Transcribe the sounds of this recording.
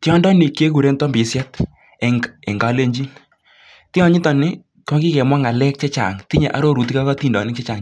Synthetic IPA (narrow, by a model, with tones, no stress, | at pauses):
ti˦ɔ˦ndɔ˦ni˨kje˦ku˨ɾe˦ntɔ˦mbi˨˦sja˦t | e˨ŋḛ˨ŋɡa˨˦le˦ɲd͡ʒi˦n | ti˦ɔ˦ɲi˦tɔ˨nɪ˦ | kɔ˦ki˦kɛ˨mwa˦ŋa˨lɛ˦k̚t͡ʃe˦t͡ʃa̰˨ŋti˦ɲe˨ʔa̰˨˦ɾo˦ɾu˨t̬i˦ka˦kɔ˦ti˦˨ndɔ̰˨nɪ˦kt͡ʃe˦t͡ʃa˨ŋ